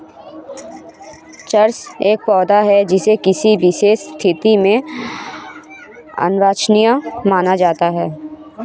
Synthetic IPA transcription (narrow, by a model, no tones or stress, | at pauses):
t͡ʃəɾseːk̚pɔːd̪aɦɛd͡ʒɪsekɪsiʋɪʃeːʃt̪ʰɪt̪imẽ | ə̰nɾaːt͡ʃnijamaːnad͡ʒaːt̪aɦɛː